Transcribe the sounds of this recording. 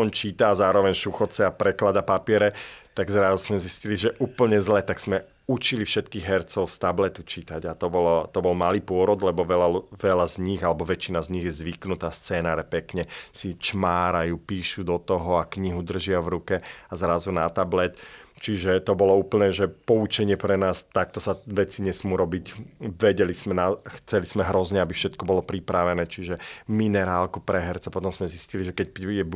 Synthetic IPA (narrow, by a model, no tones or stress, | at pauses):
ɔnt͡ʃiːt̪aːzaːɾɔʋɛɲʃuxɔt͡sɛapɾɛklad̪apapɪɛɾɛt̪aɡzɾazuz̥mɛzisciliʒɛʔuːpl̩ɲɛzlɛt̪aɡz̥mɛ | ut͡ʃilifʃɛt̪kiːɣɦɛɾt͡sɔʊst̪ablɛt̪ut͡ʃit̪aɟat̪ɔbɔlt̪ɔbɔlmaliːpʊɔɾɔd̪lɛbɔʋɛlaʋɛlazɲiɣalɛbɔʋɛt͡ʃinazɲiɣjɛzʋiknut̪aːst͡sɛːnaːɾɛpɛkɲɛsit͡ʃmaːɾajupiːʃud̪ɔt̪ɔɦɔakɲiɦud̪r̩ʒɪaʋɾukɛazɾazunat̪ablɛt̪t͡ʃiʒɛt̪ɔbɔlɔuːpl̩nɛːʒɛpɔut͡ʃɛɲɪɛpɾɛnaːst̪ak̚t̪ɔsaʋɛt͡siɲɛsmuːɾɔbiɟʋɛɟɛlizmɛnaxt͡sɛlizmɛɦɾɔzɲɛabifʃɛt̪kɔbɔlɔpɾipɾaʋɛnɛːt͡ʃiʒɛminɛɾaːlkupɾɛɦɛɾt͡sɛpɔt̪ɔmzmɛzisciliʒɛkɛc̚jɛ